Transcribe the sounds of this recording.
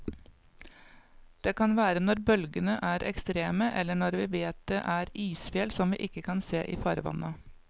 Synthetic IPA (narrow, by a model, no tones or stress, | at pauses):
d̪̥eːkɑnʋæːɾənɔɾbœlɡənəʔæːɾʔɛ̰kst̪ɾeːməʔɛlːəɳɔɾʋiːʋeːt̪̚d̪̥eʔæɾiːsfjeːlsɔmʋḭːʔɪkːəkʰɑnseːʔiːfɑːɾʋɑ̰nɑ